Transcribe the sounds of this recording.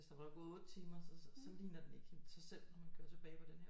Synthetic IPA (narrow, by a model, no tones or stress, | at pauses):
e̝sd̥ɑ̈ʋɑɡ̥ɔ̽ːðˠɔ̽ːd̥t͡sʰiːmɐsɒsɒ̽liːnɐd̥ene̝ɡ̥sɑ̈ɪsel̰nɒmænkʰøɐt͡sʰe̝b̥ɛːɪpʰɒ̽d̥enhḛ